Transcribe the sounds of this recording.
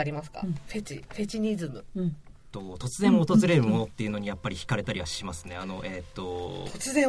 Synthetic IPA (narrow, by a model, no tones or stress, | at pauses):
aɾʲimas̬ɨ̥ka̰ɸe̞t͡ɕiɸe̞t͡ɕiɲ̟izɨmɯ | t̪ːo̞t̪o̞t͡sɨzẽɰot̪ozɨɾe̞ɾɯ̟mo̞no̞t̪ːe̞iɯ̟no̞ɲ̟ijapːaɾʲiçi̥kaɾe̞t̪aɾʲiβaɕimasɨne̞ano̞ʔet̪ːo̞t̪ot͡sɨzẽ